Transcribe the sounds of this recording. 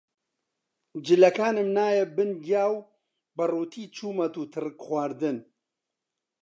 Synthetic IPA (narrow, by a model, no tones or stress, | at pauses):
d͡ʒɪlɐkaːnɨmnaːjɛbɨnɡjaːw | bɐruːt̪ʰiːt͡ʃʰuːmɐt̪uːt̪ʰɨrɨkxwaːɾd̪ɨn